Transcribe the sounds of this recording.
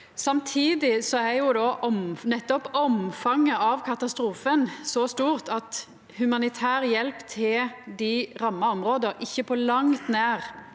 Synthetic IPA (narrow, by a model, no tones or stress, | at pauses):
sɑmt̪ʰiːd̪ɪsɔæjʊd̪ɑːʔɔmnɛt̪ːɔpɔmfɑŋːəɑʋkʰɑt̪ɑst̪ɾuːfənsɔst̪uːʁt̪ɑt̪ | hʉmɑnɪt̪ʰæːʁjɛlpt̪ʰɪld̪ɪʁɑmːɑɔmʁoːd̪əʁʔɪçːəpʰɔlɑŋt̪næːʁ